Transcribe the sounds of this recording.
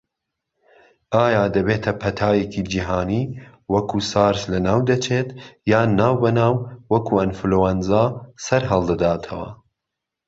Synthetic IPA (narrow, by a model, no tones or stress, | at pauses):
ʔaːjaːd̪ɐbeːt̪ʰɐpʰɐt̪ʰaːjecid͡ʒiɦaːniː | wɐkʰuːsaːɾslɐnaːwd̪ɐt͡ʃʰeːt̪jaːnaːwbɐnaːwwɐkʰuʔɐnflowanzaːsɐɾɦɐlˠd̪ɐd̪aːt̪ʰɐwɐ̰